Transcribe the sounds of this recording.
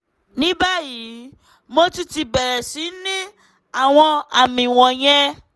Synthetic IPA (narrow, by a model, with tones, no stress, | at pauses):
nĩ˦ba˦ji˨˦ | mo˦ti˦ti˧bɛ˨ɾɛ˨si˨˦nĩ˦ | a˨w̃ɔ̃˧a˨mĩ˨w̃ɔ̃˨j̃ɛ̃˧